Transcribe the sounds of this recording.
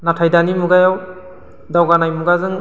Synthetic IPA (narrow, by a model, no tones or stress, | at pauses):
natʰajdanimuɡajaw | dawɡanajmuɡazɯŋ